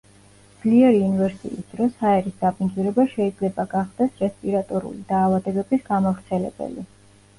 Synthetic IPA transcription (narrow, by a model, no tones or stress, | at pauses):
md̪z̥liɛɾiunvɛɾsḭisd̪̥ɾɔshaɛɾisd̪apʰʼinzuɾɛbaʃɛid̪zlɛbaɡaχd̪ɛsɾɛspʼiɾat̪ʼɔɾṵlid̪̥aːvad̪ɛbɛbisɡamavɾt̪sʰɛlɛ̰bɛ̰li